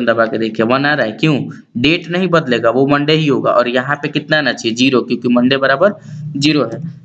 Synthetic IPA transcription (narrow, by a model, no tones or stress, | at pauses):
nd̪abaːked̪eːkʰieʋɐnaɾaekjũ | ɖeːʈnɐɦĩbɐd̪leːɡaʋomɐ̃ɳɖeɦiɦoːɡa̰ʔɔːɾjɐɦãpekɪt̪nanat͡ʃʰid͡ʒiːɾokjõːkimɐ̃ɳɖebɐɾaːbəɾd͡ʒiːɾoɦɛː